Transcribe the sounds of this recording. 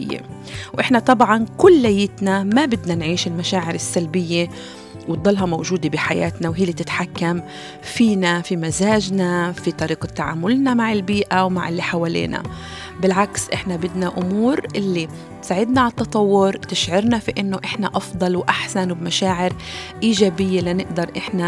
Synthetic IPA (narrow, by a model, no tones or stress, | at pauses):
jːḛ | wʔɪħnat̪ˤɑbʕɑnkʊlːajːɪt̪namabɪd̪nanʕiːʃɪlmaʃaːʕɪɾɪsːalbɪjːe | wd̪ˤːɑlːɦɑmowʒuːd̪ebiħajaːt̪nawɦiːlːit̪ɪt̪ħakːam | fiːnafimazaːʒnafit̪ˤɑɾiːqɑt̪ːaʕa̰ːmʊlnamaʕɪlbiːʔawmaʕɪlːiħawaːlḛːna̰ | bɪlʕaksʔɪħnabɪd̪naʔʊmuːɾʔɪlːi | tsaːʕɪd̪naʕat̪ːɑt̪ˤɑwːʊɾt̪ɪʃʕɑɾnafiʔɪnːoʔɪħnaʔɑfd̪ˤɑlwʔaħsanwbmaʃaːʕɪɾ | ʔiːʒaːbɪjːelanɪʔd̪ɑɾˤʔɪħna